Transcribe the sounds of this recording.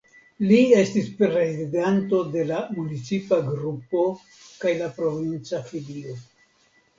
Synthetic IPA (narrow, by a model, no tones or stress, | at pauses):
lie̞stispɾɾezidanto̞de̞lamunit͡sipaɡɾupo̞ | kajlapɾo̞vint͡safilio̞